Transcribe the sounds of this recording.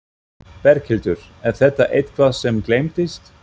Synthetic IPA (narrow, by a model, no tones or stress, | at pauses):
pɛɾcʰɪlt̪ʏɾ̥ɛɾθɛt̪ːaʔejt̪kʰvaðsɛmklejmt̪ɪst̪